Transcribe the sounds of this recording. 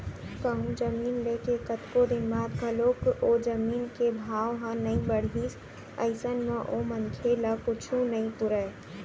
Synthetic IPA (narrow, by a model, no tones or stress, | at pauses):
kəɦũd͡ʒəmiːnleːkekɐt̪kod̪ɪnbaːd̪kɐloːkoːd͡ʒəmiːnkebʱaːʋɦãnɐĩbəɽ̤ɦiːs | ə̰ɪsənmãʔoməŋkʰelakʊt͡ʃʰũnɐĩt̪ʊɾɛ